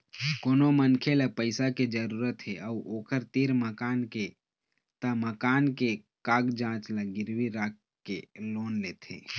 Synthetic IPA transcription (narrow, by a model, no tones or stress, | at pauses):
koːnomənkʰelapəɪsaked͡ʒəɾuːɾət̪ɦeʔəuʔoːkəɾt̪iɾməkaːnke | t̪əməkaːnke | kaːɡd͡ʒãːt͡ʃləɡɪɾwiɾaːk | kːeloːnleːt̪ɦḛː